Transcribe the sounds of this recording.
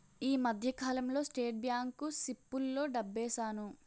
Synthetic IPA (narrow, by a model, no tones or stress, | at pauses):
iːmɐd̪ʱjɐkaːlɐmlo̞ːsʈeːʈ̚bjaːŋkusipːulːo̞ːɖɐbːɛːsaːnu